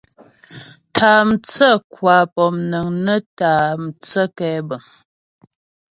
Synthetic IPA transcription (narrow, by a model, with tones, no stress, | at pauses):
tʰaː˨m̩˨t͡sə˦˨kwaː˨˦pɔ˨mnə˨ŋnə˦taː˨m̩˨t͡sə˦kɛ˦bə˨m